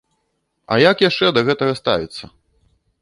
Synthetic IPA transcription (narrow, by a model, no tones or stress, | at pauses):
ɐ̰jakjaʂt͡ʂɛd̪ɐɣɛt̪ɐɣɐst̪a̰vʲit̪sːɐ